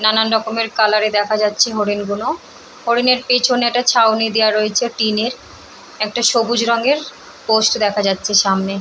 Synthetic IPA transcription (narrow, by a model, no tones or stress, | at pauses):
nananɾɔkomeɾkalaɾed̪ɛkʰad͡ʑatːɕʰeɦoɾinɡuno | hoɾineɾpet͡ɕʰonɛk̚ʈat͡ɕʰawnid̪eaɾoet͡ɕʰeʈineɾ | ɛk̚ʈaʃobud͡ʑɾɔŋɡeɾ | posʈd̪ɛkʰad͡ʑatːɕʰeʃamne